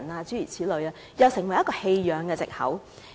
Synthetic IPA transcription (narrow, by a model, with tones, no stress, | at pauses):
naː˧t͡syː˥jḭː˨˩t͡sʰiː˨˥lɵ˨˧ɥaː˧ | jɐ˨˧wsɪ˨˩ŋwɐ˨˩jːɐ˥kɔː˧he˧jjœː˨˧ŋkɛː˧t͡sɪ̰˨k̚hɐ̰˨˥w